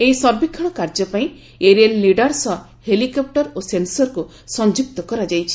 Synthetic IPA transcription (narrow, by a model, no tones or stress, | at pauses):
ejsɔɾbikʰːɔɽ̃ɔkaɾd͡ʒɔpaĩ | eɾielːiɖɔɾsɔ | helikɔp̚ʈɔɾosensɔɾku | sɔnd͡ʒuk̚t̪ɔkɔɾad͡ʒajt͡ʃʰi̥